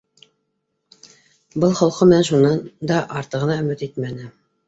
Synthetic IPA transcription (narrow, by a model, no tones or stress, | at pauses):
bɤlˠχɑlˠqɤmnænʃunɑnd̪ɑʔɑɾt̪ɤ̆ʁɤ̆nɑɵ̆mɘt̪it̪mænɘ